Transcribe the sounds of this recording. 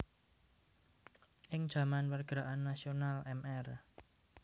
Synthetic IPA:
ʔɪŋ̥ʒ̥ä̤manwərɡ̥ɾaʔanːasionalɛmɛr

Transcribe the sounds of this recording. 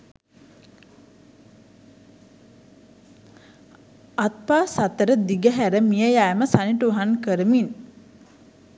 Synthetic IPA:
at̪̚paːsat̪əɾəd̪iɡəɦæɾəmijəjajməsaniʈuɦankəɾəmin

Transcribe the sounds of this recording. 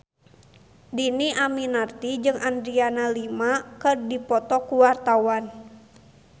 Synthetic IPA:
diniʔaminart̪id͡ʒɨŋand̪ɾianalimakɨrdipɔt̪ɔkuwart̪awan

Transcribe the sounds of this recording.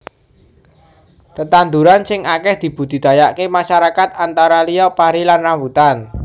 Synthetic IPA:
t̪ət̪and̪uɾansɪŋʔakɛhd̪̥i̤b̥ṳd̪̥i̤d̪̥a̤jaʔkemaʃaɾakat̪̚ant̪aɾaliɔpaɾilanrambut̪an

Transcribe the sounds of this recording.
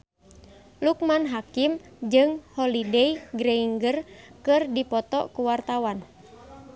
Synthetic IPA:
luk̚manɦakimd͡ʒɨŋhɔlidɛiɡɾɛiŋɡərkɨrdipɔt̪ɔ̰kuwart̪awan

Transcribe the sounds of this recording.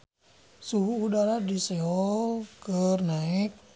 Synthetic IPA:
suɦuːdaɾadisɛɔlkərnaɛk̚

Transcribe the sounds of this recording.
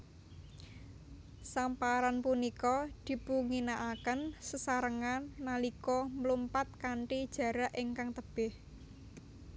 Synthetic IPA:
sampaɾanpunikɔd̪̥i̤puŋinaʔakənsəsaɾəŋanːalikɔmlumpat̪̚kaɳʈid̥ʒ̥ä̤ɾaʔiŋkaŋt̪əb̥ɪh

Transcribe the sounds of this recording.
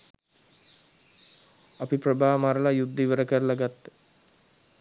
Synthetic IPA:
apipɾəbʱaːmaɾəlajud̪ːiʋəɾəkəɾlaɡat̪ːe̥

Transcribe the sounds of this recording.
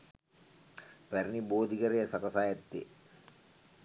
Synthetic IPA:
pæɾiniboːd̪ikəɾejəsakɐsaːjɛt̪ːḛ

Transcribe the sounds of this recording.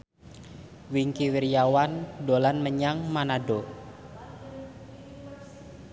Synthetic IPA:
wiŋkiwiɾjawandolanməɲaŋmanado

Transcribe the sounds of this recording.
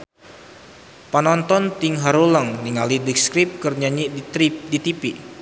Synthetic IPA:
panɔnt̪ɔnt̪iŋɦaɾuləŋniŋalidik̚skɾip̚kərɲaɲiʔidit̪ipiʔ

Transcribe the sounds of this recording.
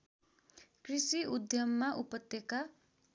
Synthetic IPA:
krisiud̪jʌmːaʔupʌt̪ːjeka

